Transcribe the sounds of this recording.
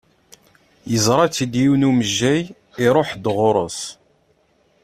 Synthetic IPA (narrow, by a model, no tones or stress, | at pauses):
jəzˤɾˤɑt͡sːid̪jiwnuməʒːæj | iɾˤoħd̪ʁʊɾˤə̰s